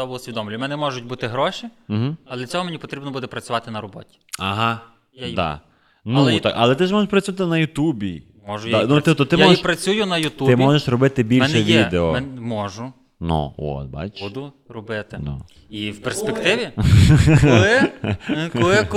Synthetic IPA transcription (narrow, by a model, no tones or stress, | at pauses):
ɔbɔʊsʲʋʲid̪ɔmlʲʊmɛnɛmɔʒʊt̚ʲbut̪ɪɦɾɔʃim̩ɦ̩ɐlˠɛɐt͡sʲɔɦɔmenʲipɔt̪ɾʲibnɔbud̪ɛpɾɐt͡sʲʊʋɑt̪ɪnɐɾɔbɔ̰tʲi̥ɐɦɑ | jd̪ɑ̰ | nulˠɛt̪a̰kɐ̰lˠɛt̪ɪʒmɔʒeʃpɾɐt͡sʲʊʋat̪ɪnɐjʊt̪ubʲi | mɔʒʊjdanut̪ip̚t̪ɔt̪ɪmaɔiʃpɾɐt͡sʲujʊnɐjʊt̪uɪmɔʒeʃrɔbɪt̪ɪbʲilmʲʃɛʋʲid̪eɔɛmɔʒʊ | nṵɔ̰t̪̚ba̰t͡ʃud̪ʊ | rɔbɪt̪ɪnṵ | iwperspekt̪ɪʋʲi | lˠɪ | ɔɪk